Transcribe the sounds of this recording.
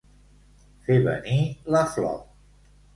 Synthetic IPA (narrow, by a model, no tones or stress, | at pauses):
feβə̰nilaflɔ̰w̚